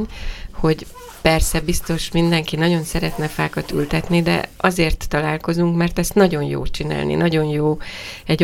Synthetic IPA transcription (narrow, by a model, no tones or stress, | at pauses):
ɲho̞ɟ | pɛrsɛbist̪o̞ʃmind̪ɛŋkinɒɟo̞nsɛɾɛt̪nɛfaːkɒt̪y̰lt̪ɛt̪nid̪ɛ̰ɒzeːrt̪ːɒlaːlko̞zuŋkmɛrt̪ɛst̪nɒɟo̞njo̰ːt͡ʃina̰ːlnḭnɒɟo̞njoːɛɟ